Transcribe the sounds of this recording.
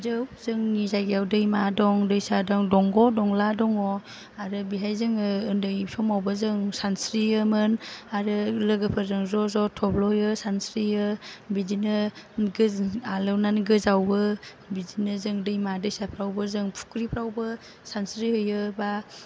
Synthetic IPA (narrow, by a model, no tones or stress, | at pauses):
dɯzɯŋnizajɡijawdɯjmadɔŋdɯjsadɔŋdɔŋɡɔdɔŋladɔŋɔ | aɾɯbiɦajzɯŋɯɯndɯjsɔmawbɯzɯŋsansɾiɯmɯnaɾɯlɯɡɯpʰɯzɯŋzɔzɔtʰɔblɔhɯjɯsansɾiɯbizinɯɡɯalɯwnanɡɯzawɯ | bizinɯzɯŋdɯjmadɯjsapʰɾawbɯzɯŋpʰu̥kɾipʰɾawbɯ | sansɾihɯjɯba